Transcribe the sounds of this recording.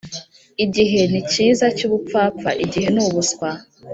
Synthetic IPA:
iɟiɦe̞niciːzacuβup͡faːp͡fa̰ʔiɟiɦe̞nuβuskwa

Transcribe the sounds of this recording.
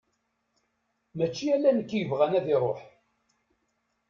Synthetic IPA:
mæt͡ʃːiælːænəkːjəvʁænæðiɾˤoħ

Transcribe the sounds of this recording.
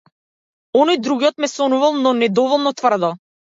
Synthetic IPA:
ɔnɔjd̪ɾuɡiɔt̪mɛsɔnuvalˠnɔnɛd̪ɔvɔlˠnɔt̪vr̩d̪ɔ

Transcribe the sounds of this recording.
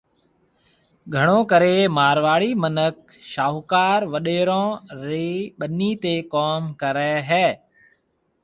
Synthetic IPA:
ɡʱəɽ̃õːkəɾeːmaːɾʋaːɭiːmənək̚ | ʃaːukaːɾʋəɗeːɾõːɾeːɓəniːt̪eːkɔːmkəɾɛːɦɛː

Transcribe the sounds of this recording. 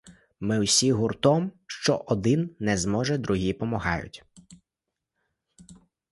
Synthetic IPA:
mɪʊsʲiɦʊrt̪ɔmʃt͡ʃɔʔɔd̪ɪnnɛzmɔʒɛd̪ɾʔʊɦʲipɔmɐɦɑ̰jʊ̰tʲ

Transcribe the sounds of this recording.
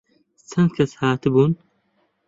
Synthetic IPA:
t͡sʰɐn̚kʰɐshaːt̪ɨbuːn

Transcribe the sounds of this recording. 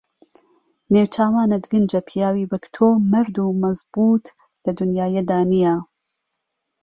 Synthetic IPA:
newt͡ʃʰaːwaːnɐd̪ɡɨnd͡ʒɐpʰijaːwibɐkt̪ʰoːmɐɾd̪umɐzbuːt̪ | lɐd̪unjaːjed̪aːnija

